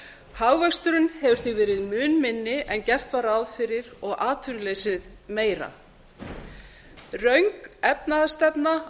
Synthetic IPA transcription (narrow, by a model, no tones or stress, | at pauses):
haːwvɛkst̪ʏɾʏnhɛvʏɾ̥θɪɣvɛːɾɪðmʏːnmɪnːɪʔɛncɛr̥t̪vaɾawðfɪɾɪɾɔɣaːt̪ʰʏɾleːjsɪðmeːjɾa̰ | rœɥŋkɛpnaðast̪ɛpna